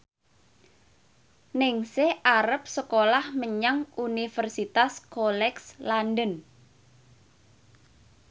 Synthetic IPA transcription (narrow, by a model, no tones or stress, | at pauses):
nɪŋsehʔaɾəp̚səkolahməɲaŋunifərsit̪askolɛkslandən